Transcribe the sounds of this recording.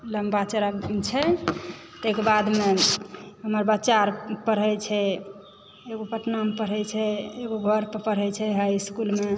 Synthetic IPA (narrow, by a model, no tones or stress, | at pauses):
ləmbat͡ʃɾat͡ʃʰɛ | t̪ekebad̪me | ɦəməɾbətːt͡ʃaɾpəɾ̤ɛt͡ʃʰɛ | eɡopəʈnamepəɾ̤ɛt͡ʃʰɛeɡobʱəɾpəpəɾ̤ɛt͡ʃʰɛɦajskulme